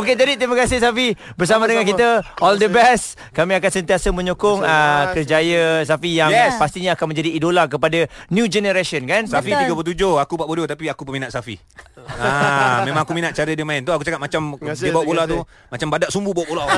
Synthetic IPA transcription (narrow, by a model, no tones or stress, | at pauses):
oket̪adit̪ɾimakasɪs̬afibərs̬amadəŋankit̪əɔldəbɛst | kamĩakansənt̪iasamə̃ɲokʊŋəkərd͡ʒajəs̬afijaŋɛspast̪iɲaːkanmə̃ɲd͡ʒadiːdolak̬əpadanjũd͡ʒɛnəɾasənkansafit̪iɡapət̪̬ud͡ʒohakupaʔbodot̪apiakupəminaʔ̪safḭ | amẽmãŋakuminat̪̚t͡ʃaɾədiəmãɪnt̪uakut͡ʃakat̪̚mat͡ʃamdiəbawaʔpolat̪u | mat͡ʃambadaʔsumbubawaʔpola